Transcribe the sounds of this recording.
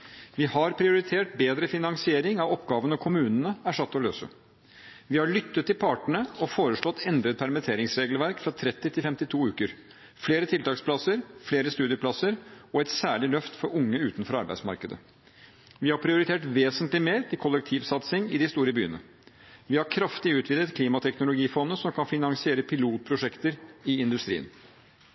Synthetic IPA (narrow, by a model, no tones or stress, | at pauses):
ʋɪhɑɾpʰɾɪʊɾɪt̪ʰeːʈ̚beːd̪ɾəfɪnɑŋsɪeːɾɪŋɑʋɔpɡɑːʋənɔkʰʊmʉːnnəæʂɑt̪ːɔlø̰ːsə̰ | ʋɪhɑɭʏt̪ːət̪ʰːɪlpʰɑːʈəɳəɔfoːɾəʂɭɔt̪ːɛnd̪ɾət̪̚pʰæɾmɪt̪ʰeːɾɪŋsɾeːɡlʋæɾkfɾɑt̪ʰɾɛt̪ːɪt̪ʰɪlfɛmt̪ɪt̪ʰuːʉːkəɾ | fleːɾət̪ʰɪlt̪ɑːkspʰlɑsəɾfleːɾəst̪ʉːd̪ɪəpʰlɑsəɾɔɛt̪sæːɭɪlœft̪fɔɾʊŋːəʉːt̪nfɔɾɑɾbæɪd̪smɑ̰ɾkəd̪ə̰ | ʋɪhɑɾpʰɾɪʊɾɪt̪ʰeːʈʋeːsənt̪lɪmeːɾt̪ɪlkʰɔlɛk̚t̪ʰiːʋsɑt̪sɪŋɪd̪ɪst̪uːɾəbyːənə̰ | ʋɪhɑɾkʰɾɑft̪ɪʉːt̪ʋɪːd̪ət̪kʰliːmɑt̪ʰɛknʊlʊɡiːfɔnːəsɔmkʰɑnfɪnɑŋsɪeːɾəpʰɪluːt̪̚pʰɾʊʂɛkt̪əɾɪɪnd̪ʉst̪ɾḭːə̰n